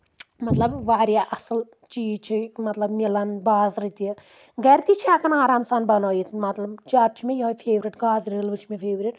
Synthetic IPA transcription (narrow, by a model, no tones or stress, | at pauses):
mɐt̪lɐbʋaːɾjaːʔɐsɨl | t͡ʃiːzt͡ʃʰimɐt̪lɐbmilɐnbaːzɾit̪iɐ | ɡɐɾt̪it͡ʃʰiaːkɐnaːɾaːmsanbɐnoːjit̪mɐt̪lɐbd͡ʒaːt̪̚t͡ʃʰimʲẽjoɦofʰeːʋɾiʈɡaːzɾilʋɨt͡ʃʰmefʰeːʋɾiʈ